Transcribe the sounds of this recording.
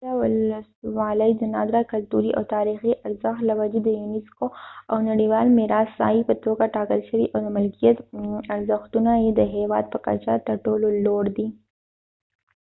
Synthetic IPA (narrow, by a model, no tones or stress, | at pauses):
awʊlswɑləjd̪ənɑd̪ɾakalt̪uɾiʔa̰wt̪ɑɾixiʔaɾzəxt̪lawad͡ʒed̪əjunɪskoawnaɽiwɑlmɪɾɑsːɑ̰ipət̪oɡaʈɑkəlʃəwḭʔawd̪əmɪlkijat̪aɾzəxt̪unajed̪əɦewɑ̰d̪̚pəka̰t͡ʃat̪əɾʈololoɽd̪i